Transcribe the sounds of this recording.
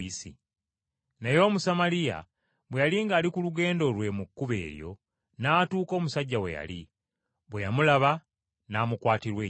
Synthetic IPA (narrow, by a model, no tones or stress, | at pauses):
isḭ | najo̞ːmusamalija̰ | βwejaliːŋɡaːlikuluɡe̞ːndo̞lwe̞mukːuβḛːɾjo̞̰ | naːtuːko̞ːmusaɟːawe̞̰ja̰li | βwejamulaβa | naːmukwaːtiɾwe